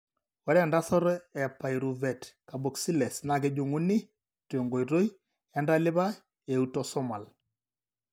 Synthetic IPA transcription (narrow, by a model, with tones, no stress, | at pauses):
wɔ˦ɾɛ˦nda˦sɔ˦ɾɛ˨pːa˨jɾu˨vɛ˨tka˨bo˨ksi˦lɛ˨sna˨ɡɛ˨d͡ʒu˨ŋu˦ni˦ | te˨ŋɡo˨jɾo˦j | ja˦nda˦lɪ˦ba˦ | e˨utɔ˦sɔ˦ma˨l